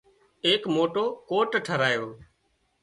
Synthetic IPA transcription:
eːkmoːʈoːkoːʈʈʰəɾaːjoː

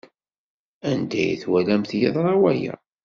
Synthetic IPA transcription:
ænd̪æj̰θwælæmθjɪðˤɾˤɑwæjæ̰

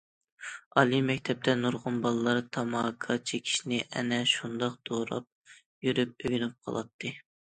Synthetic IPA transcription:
ɑlˠimɛkʲt̪ʰɛp̚t̪ʰɛnuɾʁʊnbɑlˠɨlːˠɑɾt̪ʰɑmɑːkʰɑt͡ʃʰekʲʰi̥ʃinɪʔɛ̰nɛʃund̪ɑqd̪̥oɾɑ̰p̚ | jyɾyp̚øɡʲynyp̚qʰɑ̰lˠʔɑ̰t̪ʰːɨ

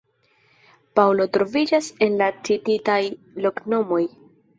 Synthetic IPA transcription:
pawlo̞tɾo̞vid͡ʒase̞nlat͡ʃititaj | lo̞kno̞mo̞j

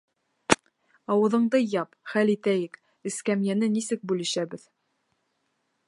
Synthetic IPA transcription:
ɑwɤ̆ðɤ̆ɴd̪ɤjɑpχælit̪æjɘk | ɘ̆skæmjænɘnisɘk̚bʉlɘ̆ʃæbɘð

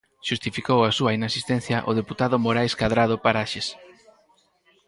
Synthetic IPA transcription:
ʃust̪ifikowasuɐinasist̪ɛn̟θjɐʔʊðeput̪aðʊmoɾajskaðɾaðʊpaɾaʃes

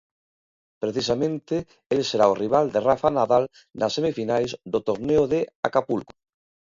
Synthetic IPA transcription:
pɾeθisamẽnt̪e | elseɾaoriβ̞ald̪erafanaðal | nasemifinajzðot̪oɾneoðea̰kapulko

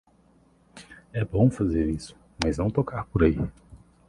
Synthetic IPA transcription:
ɛbõw̃fazeɾisʊ̥ | maznɐ̃w̃t̪okaɾpoɾai

